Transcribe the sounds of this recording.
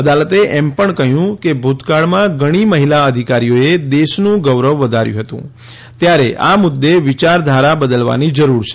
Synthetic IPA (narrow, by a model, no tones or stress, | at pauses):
əd̪alət̪eʔɛmpəɳkəɦjũkebʱut̪kaɭmãɡəɽ̃iməɦilaəd̪ʱikaɾijoed̪eʃnũɡəʋɾəʋːəd̪ʱaɾjũɦət̪ṵ̃ | t̪jaɾeʔa̰mʊd̪ːeʋɪt͡ʃaɾd̪ʱaɾabəd̪əlʋa̰nid͡ʒəɾuɾt͡ʃʰe̥